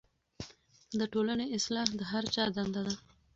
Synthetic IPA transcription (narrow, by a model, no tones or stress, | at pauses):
d̪əʈolaneɪslɑhd̪əɦaɾt͡ʃɑd̪and̪ad̪a